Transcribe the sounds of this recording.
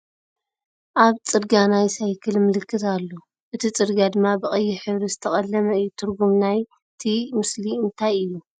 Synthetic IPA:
ʔaβt͡sʼɨd̪ɡanajsajkʰɨlmɨlɨkʰːɨt̪alːo | ʔɨt̪ʰit͡sʼɨɾɡad̪ɨmːabɨkʼɐjːɪħɨβɾizɨt̪ʰɐχʼɐlːɐmɐɨjːut̪ʰɨɾɡumnaj | t̪ʰimɨsliɨnt̪ʰajɨjːu

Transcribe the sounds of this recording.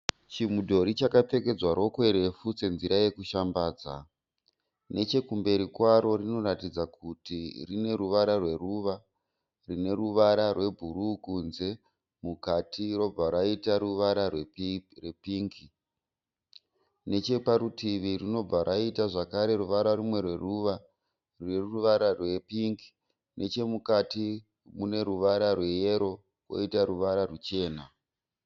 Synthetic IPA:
t͡ʃimudʱo̞ɾit͡ʃakape̞ke̞d͡zwaɾo̞kwe̞ɾe̞fust͡se̞nziɾaje̞kuʃambaːd͡za̰ | ne̞t͡ʃe̞kumbe̞ɾikwaɾo̞rino̞ɾatid͡zakutirine̞ruʋaɾarwe̞ruʋa | rine̞ruʋaɾarwe̞bʱuɾukunze̞ | mukatʰiro̞b͡vaɾaitaɾuʋaɾa | repiŋki | ne̞t͡ʃe̞paɾutiʋirino̞b͡vaɾʔaitaʐakaɾeɾuʋaɾarumwe̞rwe̞ruʋa | rineruʋaɾarwe̞piŋki̥ | nʔe̞t͡ʃe̞mukati | mune̞ɾuʋaɾarwe̞jeɾo̞ | wo̞̰itaɾuʋaɾarut͡ʃe̞ːna

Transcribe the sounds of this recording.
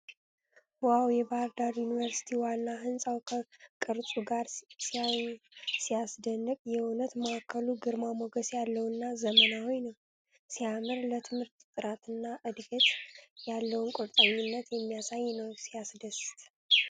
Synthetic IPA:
wawjɛbahɾd̪aɾjunivəɾsi̥t̪ʰiwanːaɦɨnsʼawkʰəkʼɨɾtʼuɡaɾ | sijasd̪ənːɨkʼjɛunət̪məakʰːəluɡɨɾmamoɡəsjalːəwnːazəmənawojnəw | siamɨɾlət̪ʰɨmhɨɾt̪t̪ʼɨɾat̪ʰɨnːaʔɨd̪ɡət̪jalːəwʊnkʼʊɾt̪ʼaɲːɪnːət̪jɛmːijasajːnəwsijasd̪əst̪ʰʼ

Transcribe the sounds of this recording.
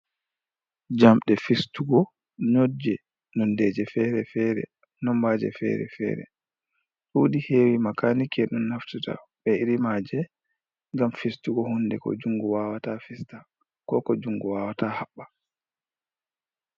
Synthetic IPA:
d͡ʒamɗɛfistuɡɔ | ɲod͡ʒɛ | nɔndɛd͡ʒɛfɛɾɛfɛːɾɛ̰ | nɔmbaːd͡ʒɛ̰fɛ̰ɾɛ̰fɛ̰ːɾɛ̰ | ɗuːɗiheːwimakanikɛɗunːaftuta̰ɓɛiɾimaːd͡ʒɛ | ŋɡamfistuɡɔhunːdɛkɔ̰d͡ʒuŋɡuwawatafista | kɔːkɔd͡ʒuŋɡuwaːwatahaɓːa

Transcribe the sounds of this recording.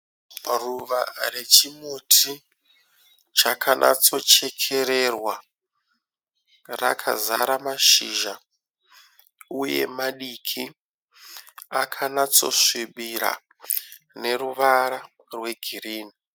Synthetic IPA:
ruʋa̰re̞t͡ʃimotʰi | t͡ʃakʰanʔa̰t͡so̞t͡ʃe̞kʰe̞ɾe̞rwa | ra̰kʰa̰zaɾamaʃiʒa | uje̞̰maɗikʰi | akʰanat͡so̞̰ʂiɓiɾa̰ | ne̞ɾuʋaɾa | rwe̞ɡʱiɾiːni

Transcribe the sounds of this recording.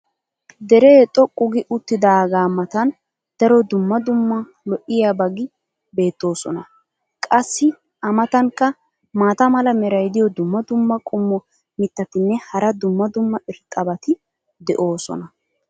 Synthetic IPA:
d̪ɛɾɛt̪ʼːɔkʼːʊɡɪʔʊt̪ːɪd̪aɡaːmɐt̪ɐn | d̪̥ɐɾɔd̪ʊmːɐd̪ʊmːɐ | lɔʔɪjaːbɐɡɪ | be̞ːt̪ːo̞ːsɔnɐ | kʼɐsːɪ | ɐmɐt̪ɐŋkːɐ | maːt̪ɐmɐlɐmɛɾɐjd̪ɪjɔd̪ʊmːɐd̪ʊmːɐkʼʊmːɔ | mɪt̪ːɐt̪ɪnːɛhɐɾɐd̪ʊmːɐd̪ʊmːɐʔɪɾt̪ʼːɐbɐt̪ɪ | d̪ɛʔo̞ːsɔ̰nɐ

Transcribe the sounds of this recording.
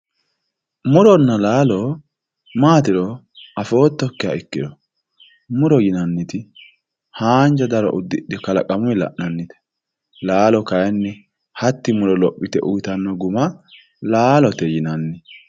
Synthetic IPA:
mʊɾɔnːɐlaːlɔ | maːt̪ɪɾɔ | ɐfo̞ːt̪ːɔkːɪjɐ̰ɪkːɪdɔ | mʊɾɔjɪnɐnːɪt̪ɪ | haːnd͡ʒɐd̪ɐɾɔ̰ʔʊd̪ːɪᶑɛkɐlɐ̰kʼɐmʊjlɐ̰ʔnɐnːɪt̪ɛ̥ | laːlɔkɐjɛnːɛ | hɐt̪ːɪmʊɾɔlɔpʼːɪt̪ɛ̰ʔʊjt̪ɐnːɔɡʊmɐ | laːlɔt̪ɛjɪnɐnːɪ

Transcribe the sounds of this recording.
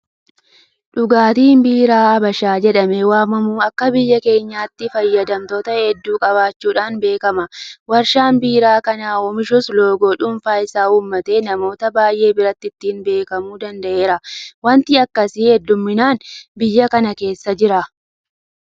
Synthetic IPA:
ᶑʊɡaːt̪iːnbiːɾaːɐbɐʃaːd͡ʒɛᶑɐmɛwaːmɐmuːɐkːɐbɪjːɐke̞ːɲːaːt̪ːɪfɐjːɐd̪ɐmt̪oːt̪ɐhɛd̪ːuːkʼɐβaːt͡ʃːuːᶑaːnbe̞ːkɐmɐwɐɾʃaːnbiːɾaːkɐnaːoːmɪʃʊslo̞ːɡoːᶑʊnfaːɪsaːuːmːɐt̪e̞ːnɐmo̞ːt̪ɐbaːjʔe̞ːbɪɾɐt̪ːɪt̪ːɪːnbe̞ːkɐmuːd̪ɐnd̪ɐʔe̞ːɾɐwɐnt̪ɪɐkːɐsɪhɛd̪ːʊmːɪnaːnbɪjːɐkɐnɐke̞ːsːɐd͡ʒɪɾɐ

